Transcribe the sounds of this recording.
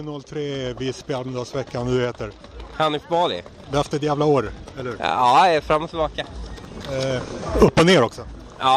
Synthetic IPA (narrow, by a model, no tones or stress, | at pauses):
ʉnɔlːt̪ʰɾeːvɪspɛalənd̪ɑsvɛkːannʉːheːt̪əɾ | hanɪfbɑːlɪ̰ | d̪ɛft̪əɛt̪jæːvlaoːɾɛlːɵɾɑːɛfɾamːɔt̪ʰɪlbɑːka | ɵpːɔneːɾɔksɔ | aː